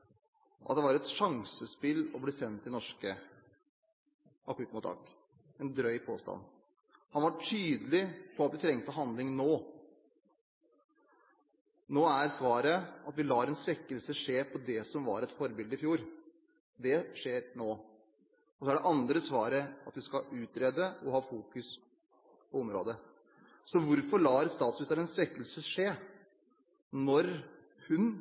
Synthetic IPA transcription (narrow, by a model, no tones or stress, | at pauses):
ʔɑ̰t̪̚d̪ɛʋɑɾɛt̪ʂɑŋsəspɪlːɔblisɛnt̪ːɪnɔʂkə | ʔɑkːɾʉt̪ːmʊt̪ʰːɑ̰ːk | ɛnd̪ɾœʏpʰo̰ːst̪ɑ̰nː | hɑnʋɑʈʰyːd̪əlɪpʰɔɑt̪ʋɪt̪ʰɾɛŋt̪əɦɑnd̪lɪŋnoː | noːæɾsʋɑːɾəɑt̪ʋɪlɑːɾɛnsɾɛkːəlsəʂeːpʰɔd̪ɛsɔmʋɑ̰ːɾɛt̪fɔɾbɪld̪əɪfjuːɾ | d̪ɛʂeːɾnoː | ɔsɔæɖɛʔɑnd̪ɾəsʋɑːɾəɑt̪ʋɪskɑʉːt̪ɾeːd̪əɔɦɑːfuːkʉs | pʰɔɔmɾo̰ːd̪ə | sɔʋʊɾfɔɭɑːɾst̪ɑːt̪smɪst̪əɾɛnsʋɛkːəlsəʂeː | nɔɾ | hʉn